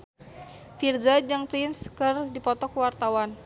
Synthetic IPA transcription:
fird͡ʒad͡ʒaŋpɾɪnskɨrdipɔt̪ɔkwart̪awan

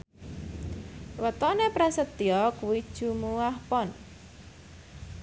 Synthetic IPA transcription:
wət̪ɔnepɾasət̪iɔkwid̥ʒ̥ṳmuŋahpɔn

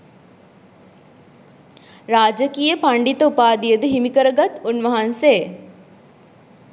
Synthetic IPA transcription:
ɾaːd͡ʒəkiːjəpɐɳɖit̪əupaːd̪ijəd̪ɨɦimikəɾəɡɐt̪unʋɐɦɐnseː

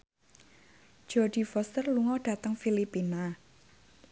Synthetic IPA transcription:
d̥d͡ʒ̥ɔd̥i̤fɔst̪ərluŋɔɖ̥ä̤t̪əŋfilipina

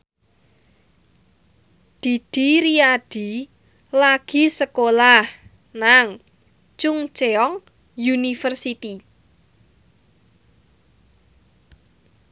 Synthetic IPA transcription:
d̪̥i̤d̪̥i̤ɾiad̪̥i̤ | laɡ̥i̤səkolah | naŋ | t͡ʃʊŋt͡ʃeɔŋ | junifərsit̪i

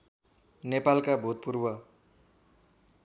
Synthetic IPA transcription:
nepalkabʱut̪̚purbʌ

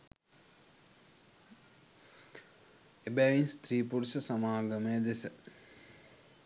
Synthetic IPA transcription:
ebɛʋinst̪riːpuɾsəsamaːɡɐməjəd̪esə

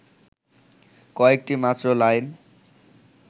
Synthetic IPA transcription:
kɔek̚ʈimat̪ɾolajn

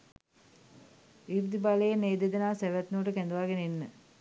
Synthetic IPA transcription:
iʋd̪ibaləjeneːd̪ed̪ənaːsæʋæt̪nuəʈəkɛnd̪uʋaːɡenəinːə

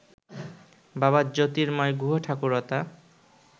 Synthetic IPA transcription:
baβad͡ʑot̪iɾmɔjɡʱuɦoʈʰakuɾɔt̪a

